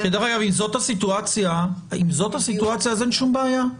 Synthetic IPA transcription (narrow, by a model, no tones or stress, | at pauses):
ked̪aʁaɡavimzo̞t̪hasit̪uat͡sjaimzo̞t̪hasit̪uat͡sjaːzeenʃumbeːja